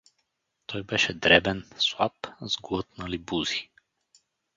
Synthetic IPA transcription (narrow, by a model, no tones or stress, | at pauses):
t̪ɔjbɛʃɛd̪ɾɛbɛnswapzɡɔt̪̚nalibuzi